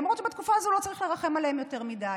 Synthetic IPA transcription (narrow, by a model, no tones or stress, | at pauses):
amʁotʃebet̪kufaazoulo̞t͡saʁiχle̞ʁaχe̞malehemjo̞te̞ʁmida